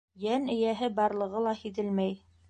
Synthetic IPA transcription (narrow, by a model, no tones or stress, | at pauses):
jænɘ̆jæɦɘbɑɾlˠɤ̆ʁɤlˠɑhiðɘlmæj